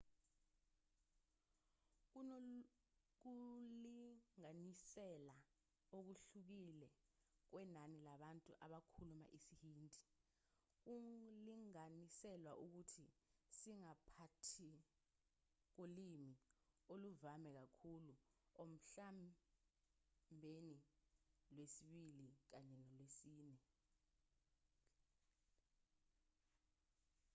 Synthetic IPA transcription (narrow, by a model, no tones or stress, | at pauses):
k̬uliŋanisɛla | ok̬uɬuk̬ilɛ | k̬wɛnanilaɓantʼuʔaɓakʰuluma̰ʔisihiːndʱi | k̬uliŋanisɛlwaʔuk̬utʰisiŋapʰatʰi | k̬ulimioluvamɛk̬akʰuluom̩ɬam | bʱeni | lwesiɓilik̬aɲɛnɔlwesiːnɛ